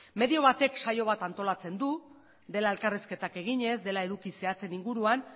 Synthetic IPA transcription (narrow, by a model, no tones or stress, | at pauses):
me̞ðio̞β̞at̪e̞kʃajo̞β̞at̪ant̪o̞lat͡se̞nd̪u | d̪e̞lae̞lkariske̞t̪ake̞ɣiɲe̞zd̪e̞lae̞ðukise̞at͡se̞niŋɡuɾuan